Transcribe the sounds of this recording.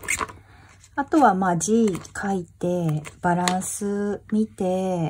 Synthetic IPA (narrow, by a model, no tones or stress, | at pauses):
at̪o̞βamaːd͡ʑiːkʰait̪e̞b̥aɾãɰ̃sɨmʲit̪e̞